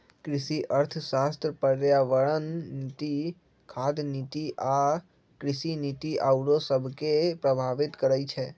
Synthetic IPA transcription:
kɾɪʃiʔəɾt̪ʰʃast̪ɾəpəɾjaʋəɭənːt̪i | kʰad̪nit̪iʔa | kɾɪʃinit̪iʔawɽosəbʱkepɾəbʱaʋɪt̪kəɾəjt͡ʃʰe

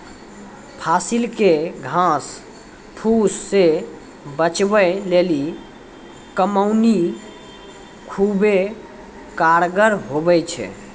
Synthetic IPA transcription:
pʰasilkeɡʱãs | pʰusːe | bət͡ʃbəleli | kəməwni | kʰube | kaɾɡəɾɦobɛjt͡ʃʰɛ̰

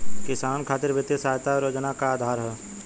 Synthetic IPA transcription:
kɪsaːnkʰaːt̪ɪɾʋɪt̪jəsaːjt̪aɾjoːd͡ʒnakaaːd̪ʱaːɾɦɛː

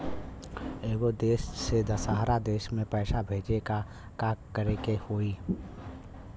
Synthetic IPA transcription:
eːɡod̪eːʃsed̪əsaːɦɾad̪eːʃmẽpɛːsabʱeːd͡ʒeka | kaːkkəɾekehoːi

